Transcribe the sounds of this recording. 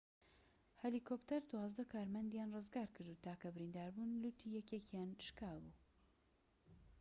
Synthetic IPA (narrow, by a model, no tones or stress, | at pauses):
hɛlikʰopt̪ʰɐɾd̪uwɑːzd̪ɐkʰaːɾmɐnd̪jaːnrɨzɡaːɾkʰɨɾd̪uːt̪ʰaːkɐbɨɾind̪aːɾbunlut̪ʰijɛkekjaːnʃkaːbuː